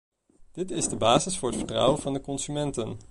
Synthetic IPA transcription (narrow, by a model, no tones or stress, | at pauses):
d̥ɪtɪzdəbaːzɪsfʊːɹɦətfə̥trʌ̰wəv̥ɑndəkɔnsymɛntən